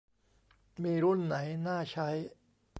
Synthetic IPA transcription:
miː˧ɾu˥˩nːa˩˦jnaː˥˩t͡ɕʰa˦˥j

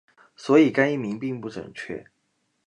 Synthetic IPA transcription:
swɔ˧˥i˨˩ka˥ɪni˥˩mi˧˥ŋpi˥˧ŋpu˥˩ʈ͡ʂə̰˨˩ŋt͡ɕʰɥɛ̰˥˩

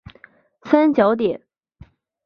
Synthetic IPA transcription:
sa˥nt͡ɕjɑ˧˥ʊt̪̬jɛ˨˩˦n

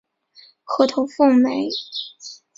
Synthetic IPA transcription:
xɤ˥˩t̪ʰo˧˥ʊfʊ˥˩ŋme˧˥ɪ

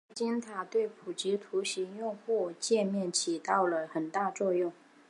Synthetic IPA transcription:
t͡ɕi˥nt̪ʰa˨˩t̪we˥˩ɪpʰu˨˩t͡ɕi˧˥t̪ʰu˧˥ɕi˧˥ŋjʊ˥˧ŋxu˥˩t͡ɕjɛ˥˧mjɛ˥˩nt͡ɕʰi˨˥t̪ɑ˥˩ʊlə˩xə˨˩nt̪a˥˧t͡swɔ˥˧jʊ˥˩ŋ

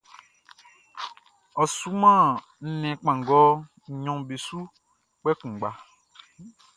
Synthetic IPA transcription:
ɔ˨su˦mã˦˨ | n̩˦nɛ̃˨k͡pã˨ŋ˨ɡɔ˦˨ | ɲɔ̃˨be˨su˦ | k͡pɛ˦kũ˨ɡ͡ba˨

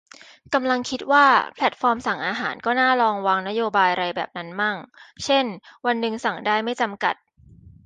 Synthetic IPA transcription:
ka˧mla˧ŋkʰi˦˥t̪̚waː˥˩pʰlɛ˨˥˩t̪̚fɔː˧msa˨˩˦ŋʔaː˧ɦaː˩˦nkɔː˥˩naː˥˩ɾɔː˧ŋwaː˧ŋna˦˥joː˧baː˧jɾa˧jbɛː˨˩p̚na˦˥nmaː˥˩ŋt͡ɕʰe˥˩nwa˧nːɯ˨ŋsa˨˩˦ŋdaː˥˩jma˥˩jt͡ɕa˧mka̰˨˩t̪̚

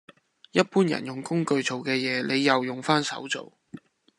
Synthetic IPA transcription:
jɐ˥t̚puː˥njɐ̰˨˩njʊ˨˩ŋkʊ˥ŋkɵ˧ɥt͡so˨wkɛː˧jɛː˨˧le˨˧jːɐ˨wjʊ˨ŋfaː˥nsɐ̰˨˥wt͡so̰˨w

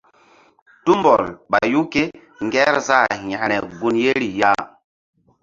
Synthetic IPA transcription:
tu˦mbɔ˨lɓa˨ju˦ke˦ | ŋɡɛ˦ɾza˦˨ɲa˨nɛ˨ɡu˦nje˦ɾi˨ja˦˨

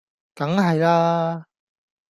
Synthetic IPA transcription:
t̪ɐ˨˥ŋɦɐ˨jlaː˥

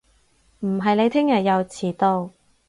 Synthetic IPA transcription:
m̩˨˩ɦɐ˨jne˨˧t̪ʰɪ˥ŋjɐ˨˩t̚jɐ˨˧wt͡sʰiː˨˩t̪o˧w

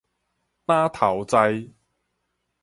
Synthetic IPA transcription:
t̪aː˥t̪ʰɐ˨˩wt͡sɐ˧j

